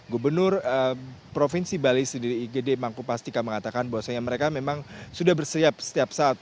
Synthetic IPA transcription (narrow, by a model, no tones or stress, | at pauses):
ɡubərnʊrəpɾofinsibalisdiɾiːɡədemaŋkupast̪ikaməŋat̪akanbawasaɲaməɾekamemaŋsudahbərsiap̚sə̥t̪iap̚saːt̪̚